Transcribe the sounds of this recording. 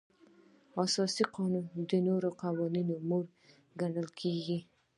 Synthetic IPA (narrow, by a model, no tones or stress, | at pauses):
asɑsiqɑnund̪ənoɾoqawɑninomoɾ | ɡaɳəlkʰeɡi